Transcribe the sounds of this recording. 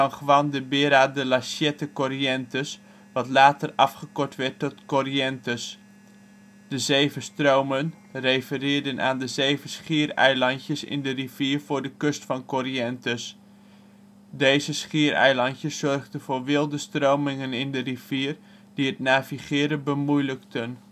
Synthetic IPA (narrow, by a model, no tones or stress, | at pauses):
ɑnχəʋɑndəbɪɾaːdəlasjɛtəkɔriɛntəs | ʋɑtlaːtərɑfχəkɔrtʋɛrtɔtkoriɛntəs | d̥əzeːvəstrowmən | rejfərɪːdənʔa̰ːndəzeːvəsχiərɛ̰jlɑntjəsɪ̰ndəriv̥iːərv̥ʊːɹdəkøstfɑnkoriɛntəs | deːzəsχiəɾɛ̰jlɑntjəsːɔrχdənvʊːrʋɪlˠdəstrowmɪŋənɪndəriv̥iər | d̥iətnaːviχɪəɾəbəmujləktʰən